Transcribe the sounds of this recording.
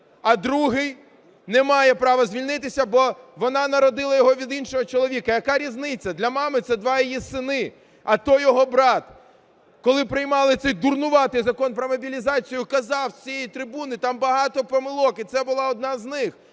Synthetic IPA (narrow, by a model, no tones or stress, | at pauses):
ɐd̪ɾuɦɪj | nɛmɑjɛpɾɑʋɐzʲʋʲilʲnɪt̪ɪsʲɐbɔʋɔnɑnɐɾɔd̪ɪlˠɐjɔɦɔʋʲid̪inʃɔɦɔt͡ʃɔlˠɔʋʲikɐjɐkɑɾʲiznɪt͡sʲːɐd̪lʲɐmɑmɪt̪sɛd̪ʋɑjɔjisɪnɪ | ɐt̪ɔjɔɦɔbɾɑt̪ | kɔlˠɪpɾɪjmɑlˠɪt̪sɛjd̪urnʊʋɑt̪ɪjzɐkɔnpɾɔmɔbʲilʲizɑt͡sʲijʊkɐzɑwt͡sʲijejit̪ɾɪbunɪt̪ɑmbɐɦɑt̪ɔpɔmɪlˠɔkit̪sɛbʊlˠɑɔd̪̚nɑznɪx